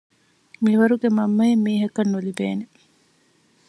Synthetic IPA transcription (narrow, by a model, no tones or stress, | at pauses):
miʋɐɾuɡemɐmːɐimːiːɦɐkɐnːulibeːne